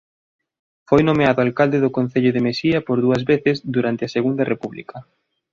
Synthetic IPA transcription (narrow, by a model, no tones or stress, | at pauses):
fojnomeaðʊalkald̪eðʊkon̟θeʎʊðemesiɐpoɾðuɐzβeθɪzðuɾant̪ɪɐseɣund̪ɐrepuβlḭkɐ